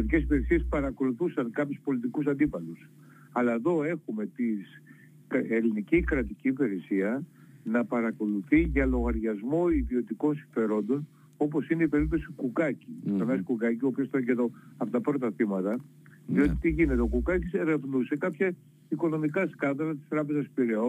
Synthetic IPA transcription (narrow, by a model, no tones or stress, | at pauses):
ɐt̪ice̞sipeɾesie̞spɐɾɐko̞luθusɐŋkɐpçuspo̞lit̪ikusɐnd̪ipɐlus | ɐlɐeðo̞e̞xume̞t̪is | elinicikɾɐt̪iciːpe̞ɾesiɐ | nɐpɐɾɐko̞luθiʝɐlo̞ɣɐɾʝɐzmo̞ivio̞t̪iko̞nsiɱfe̞ɾo̞nd̪o̞n | o̞p̬o̞sine̞ipe̞ɾip̚t̪o̞sikukɐciɐnɐskukɐcio̞piosit̪ɐɲceðo̞ɐpot̪ɐpɾo̞t̪ɐθimɐt̪ɐ | ðio̞t̪it̪iʝine̞t̪e̞o̞kukɐciseɾevnuse̞kɐpçɐ | iko̞no̞mikɐskɐðɐlɐt̪i̥st̪ɾɐpe̞zɐspiɾe̞o